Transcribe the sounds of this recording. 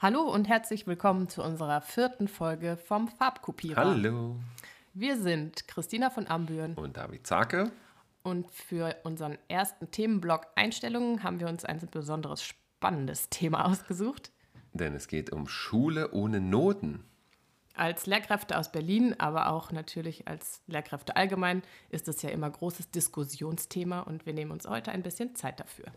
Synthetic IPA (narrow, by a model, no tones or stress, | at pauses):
haloːʊntɦɛɐt͡slɪçv̥ɪlkʰɔmənt͡suʔʊnzəʁɐfɪɐtn̩fɔlɡəfɔmfaɐpkʰupʰiːʁaɐloː | viːɐzɪntkʁ̥ɪstiːnafɔnʔambyːɐnʊnt̚d̥a̰ːvḭt̚t͡sa̰ːkə | ʔʊntfyːɐʔʊnzəʁənʔeːɐstn̩tʰeːmənblɔkʔa̰ɪnʃtɛlʊŋənɦaːbm̩viːɐʊnsʔa̰ɪnb̥əzɔndəʁə̰sʃ | panəndəstʰeːma̰ʔaʊsɡ̥əzuːxt | d̥ɛnɛsɡ̥eːtʊ̰mʃuːləʔoːnənoːtn̩ | ʔalsleːɐkʁ̥ɛftəʔa̰ʊsb̥ɛɐliːnʔa̰ːβɐʔa̰ʊxnatʰyːɐlɪça̰lsleːɐkʁ̥ɛftəʔalɡəmaɪnʔɪstd̥ɛsjaːʔɪ̰mɐɡʁoːsəsd̥ɪskʊsjoːnstʰeːmaʔʊ̰ntv̥iːɐneːmənʊnshɔ̰ʏtəʔa̰ɪnbɪsçənt͡saɪt̚d̥afy̰ːɐ